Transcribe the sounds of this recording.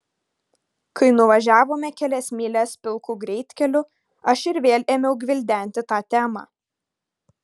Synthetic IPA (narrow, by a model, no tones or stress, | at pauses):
kɐɪnʊʋɐʒʲæːʋoːmʲɛkʲɛlʲɛsʲmʲiːlʲɛspʲɪlˠkuːɡɾʲɛɪt̪ʲkʲɛlʲʊ | ɐʃɪɾʋʲeːlʲeːmʲɛʊɡʲʋʲɪlʲd̪ʲæˑnʲt̪ʲɪt̪ɑːt̪ʲæːmɑ̰ː